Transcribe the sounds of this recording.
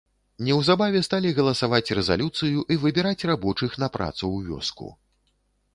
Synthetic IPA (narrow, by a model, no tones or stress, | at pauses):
nʲɛwzabavʲɛst̪alʲiɣɐlˠɐsavat͡sʲrɛza̰lʲut̪sɨjuʔivɨbʲɛɾat͡sʲrabɔt͡ʂɨxnɐpɾa̰t̪suwvʲɔ̰skṵ